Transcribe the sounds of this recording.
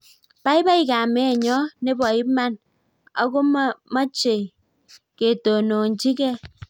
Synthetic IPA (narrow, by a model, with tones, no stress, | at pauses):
ba˦i˦ba˦i˨ka˨me˨˦e˨ɲɔ˦ne˦bɔ˨ji˦pma˦n | ɔ̰˦ko˦ma˦t͡ʃe˨ | ke˨to˨no˨n̩˨d͡ʒi˦ke˦